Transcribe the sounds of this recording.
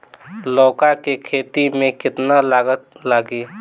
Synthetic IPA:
lɔːkakekʰeːt̪imẽkɪt̪nalaːɡət̪laːɡiː

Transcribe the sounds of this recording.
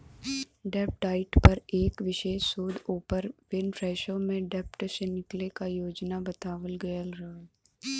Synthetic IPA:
ɖɛːp̚ʈaːɪʈpɐɾeːkʋɪʃeːʃsoːd̪oːpəɾʋɪnfɾɛːʃõmẽɖɛːpʈsenɪklekajoːd͡ʒnabɐt̪aːʋəlɡɐjəlɾɐɦ

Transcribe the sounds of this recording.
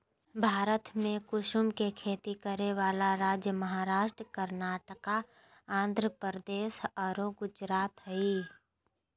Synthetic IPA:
bʱaːɾət̪mẽkʊʃʊmkekʰeːt̪ikəɾeʋaːlaɾaːd͡ʒjəməɦaːɾaːʃʈɾəkəɾnaːʈəka | ãːnd̪ʱɾəpəɾəd̪eːʃɔːɾoɡʊd͡ʒɾaːt̪ɦiː

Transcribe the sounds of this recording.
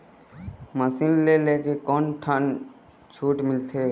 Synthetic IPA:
məsɪnleleːkekɔːnʈʰən | t͡ʃʰuːʈmɪlt̪ʰeː

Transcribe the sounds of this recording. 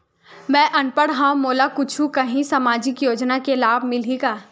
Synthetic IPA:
mɛ̃ːʔɐnpəɽɦãːmoːlakʊt͡ʃʰukɐɦĩsamaːd͡ʒɪkjoːd͡ʒnakelaːbʱmɪliɡaː

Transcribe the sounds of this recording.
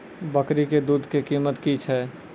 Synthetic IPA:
bəkɾiked̪uːd̪ʱkekiːmət̪kit͡ʃʰɛː

